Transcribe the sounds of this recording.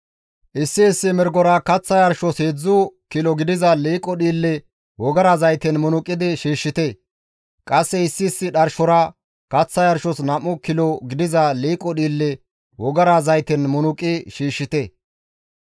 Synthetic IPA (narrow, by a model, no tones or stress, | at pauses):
ʔɪsːɪːsːɪmɛɾɡɔɾɐkɐt͡sːɐjɐɾʃɔsheːd͡zːʊkɪlɔɡɪd̪ɪzɐliːkʼːɔɗiːlːɛ | wɔɡɐɾazɐjt̪ɛnmʊnʊkʼːɪd̪ɪʃiːʃːɪt̪e | kʼɐsːɛɪsːɪːsːɪɗɐɾʃɔɾɐ | kɐt͡sːɐjɐɾʃɔsnɐmʊkɪlɔɡɪd̪ɪzɐliːkʼːɔɗiːlːɛ | wɔɡɐɾazɐjt̪ɛnmʊnʊkʼɪʃiːʃːɪt̪ɛ